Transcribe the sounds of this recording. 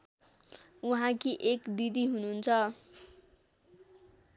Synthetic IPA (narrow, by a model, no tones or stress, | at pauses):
uɦãkiʔekd̪id̪iɦununt͡sʰʌ